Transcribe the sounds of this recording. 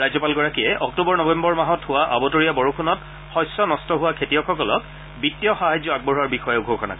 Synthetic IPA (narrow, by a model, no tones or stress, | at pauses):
ɹajzɔpalɡɔɹakijɛʔɔk̚tubɔɹnɔbɛmbɔɹmaɦɔthʊwaʔa̰bɔtoɹijabɔɹukʰunɔt | xɔjsːɔnɔstɔɦʊwakʰetijɔkʰɔkɔlɔk | bitːijɔxaɦajzɔaɡ̚bɔɹɦaɹbixɔjɛʊɡʱokʰɔna̰kɔ